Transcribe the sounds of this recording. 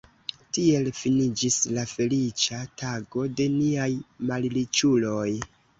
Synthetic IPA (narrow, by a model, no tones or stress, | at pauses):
tie̞lfinid͡ʒislafe̞lit͡ʃataɡo̞de̞niajmallit͡ʃulo̞j